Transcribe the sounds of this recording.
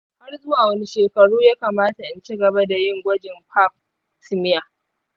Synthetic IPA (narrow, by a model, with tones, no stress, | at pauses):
ha˦rzʊ˦waː˨wɐ˦ni˦ʃeː˨kɐ˨ɽuː˦jaː˦kaː˨maː˦ta˨ʔɪ˨nt͡ʃi˦ɡɐ˨ba˦da˨jɪ˦ŋɡʷɐ˦d͡ʒɪ˨mɸʰaː˦p̚ | sɪ˦mɪ˦ja˨